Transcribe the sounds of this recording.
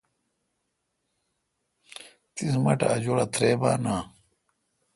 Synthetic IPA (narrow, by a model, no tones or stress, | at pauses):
t̪ismɐʈa̰ːd͡ʑoɾɐt̪ʰɾeːbaːnaː